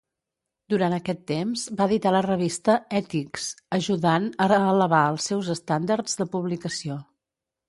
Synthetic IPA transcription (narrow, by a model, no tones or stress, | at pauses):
d̪uɾant̪əkɛt̪ːemzbaəðit̪alərəβ̞ist̪əɛt̪iksəʒuðanərəələβaəlˠsːɛwzəst̪and̪əɾd͡z̥d̪əpuβlikəsio